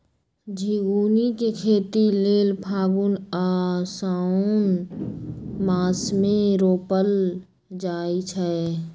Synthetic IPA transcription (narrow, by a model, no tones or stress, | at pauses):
d͡ʒʱiɡuːnikekʰeːt̪ileːlpʰaːɡunaːsaːʊn | maːsmẽɾoːpəl | d͡ʒaːit͡ʃʰɛ